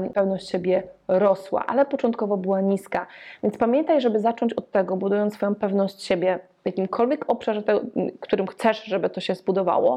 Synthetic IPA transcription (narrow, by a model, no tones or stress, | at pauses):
pɛvnɔɕt͡ɕɕebʲjɛɾɔswa̰ʔa̰lɛpɔt͡ʂɔnt̪̚kɔvɔbɘwaɲiskavʲjɛntspamʲjɛnt̪ajʐɛbɘzat͡ʂɔɲt͡ɕɔt̪ːɛɡɔbud̪ujɔnt̪sfɔjɔ̃w̃pɛvnɔɕt͡ɕɕebʲjɛ | vjakʲimkʰɔlvʲjɛkɔpʂaʐɛt̪ɛɡɔkt̪uɾɘmxt̪sɛʂʐɛbɘt̪ɔɕɛzbud̪ɔva̰wɔ̰